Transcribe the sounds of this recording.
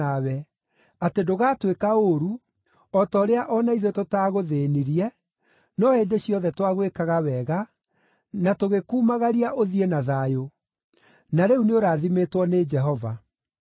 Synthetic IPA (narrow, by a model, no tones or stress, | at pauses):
awɛ | atedoɣaːtwekaoɾu | ɔtɔɾeaʔɔnaiðototaːɣoðeːniɾiɛ | nɔendeɕjɔðɛtwaɣwekaɣawɛɣa | natoɣekuːmaɣaɾiaʔoðiɛnaðaːjo | naɾɛuneoɾaːðimetwɔned͡ʒɛɦɔva